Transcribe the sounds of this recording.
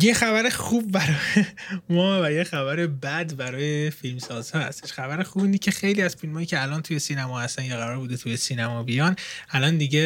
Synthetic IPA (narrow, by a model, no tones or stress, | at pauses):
jexæbæɾeχuːb̚ːæɾɒːjemɒːvæjexæbæɾe̞bæd̪bæɾɒːjefilmsɒːz̥hɒːhæ̰st̪eʃxæbæɾexubiːnicʲʰe̞xe̞jliːæz̥filmɒːjiːcʰeælɒːnt̪ʰuje̞siːnæmɒːhæst̪ænjeɣæɾɒɾbuːd̪et̪ʰuje̞siːnæmɒːbijɒnʔælɒnd̪iɟe